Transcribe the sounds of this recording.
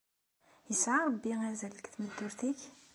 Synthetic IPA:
jəsʕaɾˤbːiŋæzæləkt̪məd̪ːʊɾt̪iç

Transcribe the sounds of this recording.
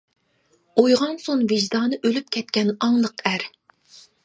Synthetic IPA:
ojʁɑnsonvɨʒd̪ɑːnɨʔølyp̚kʲʰɛt̪kʲɛnɑŋlˠəqæɾ

